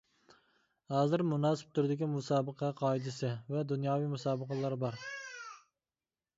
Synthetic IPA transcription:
hɑːzɨɾmunɑːsɪ̥p̚t̪ʰʊɾɪd̪ɪɡʲimusɑːbəqʰɑqʰɑːid̪ɪsɪvɛd̪unjɑːwijmusɑːbəqəlˠɑɾbɑɾ

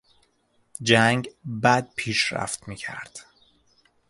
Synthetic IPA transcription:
d͡ʒæŋɡbæd̪̚pʰiːʃɾæ̰ft̪miːcʰæ̰ɾd̪̥

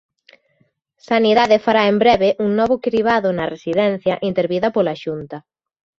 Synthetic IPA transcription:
saniðaðefaɾaembɾɛβeʔuŋnɔβʊkɾiβ̞aðʊnɐresiðɛn̟θjɐʔint̪eɾβiðɐpolaʃunt̪ɐ

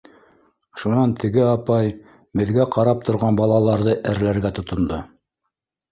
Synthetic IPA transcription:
ʃunɑnt̪ʰɘ̆ɡɘɑpɑj | bɘ̆ðɡæqɑɾɑp̚t̪ʰŏɾʁɑnbɑlˠɑlˠɑɾðɤʔæɾlæɾɡæt̪ŏt̪ŏnd̪o

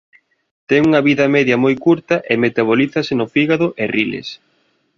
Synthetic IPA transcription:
t̪ɛŋuŋɐβiðɐmɛðjɐmojkuɾt̪ɐʔɪmet̪aβ̞oliθɐsɪnʊfiɣaðʊʔɪrilḛs

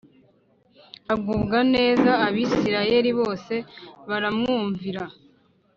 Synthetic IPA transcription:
abɡuːbɡane̞ːzaːβiːsiɾaje̞ɾiβo̞ːse̞βaɾamŋuːɱviɾa

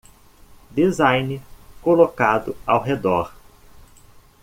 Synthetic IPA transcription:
d̪izajnɪkolokad̪ʊawɦed̪ɔɾ

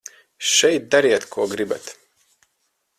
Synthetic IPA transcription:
ʃɛjt̪̚d̪aɾiɛt̪kʰuɔɡɾibɛt̪

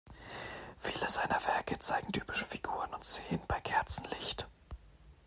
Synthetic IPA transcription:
fiːləzaɪnɐvɛɐkət͡saɪɡŋ̩tʰyːpɪ̥ʃə̥fiɡuːʁ̞ənʊntz̥eːənbaɪkʰɛɐt͡sn̩lɪçt

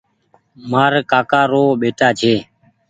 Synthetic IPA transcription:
maːɾkaːkaːɾoːɓeːʈaːt͡ʃʰeː

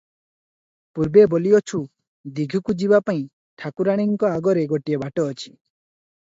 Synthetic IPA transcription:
puɾbeboliɔt͡ʃʰu | d̪iɡʱukud͡ʒibapaĩ | ʈʰakuɾaɽ̃iŋkɔaɡɔɾeɡɔʈiebaʈɔːt͡ʃʰi̥

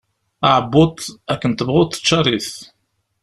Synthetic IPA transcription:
aʕəbːʊt̪ˤækːənt̪əbʁʊt̪ˤə̥ʃːɑɾˤiθ

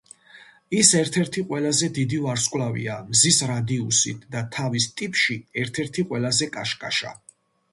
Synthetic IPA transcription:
isɛɾt̪ʰɛɾt̪ʰiqʼwɛlazɛd̪id̪ivaɾskʼlavḭamzisɾad̪iusḭt̪ʰd̪at̪ʰavist̪ʼipʼʃiɛɾt̪ʰɛɾt̪ʰiqʼwɛlazɛkʼaʃkʼaʃa̰

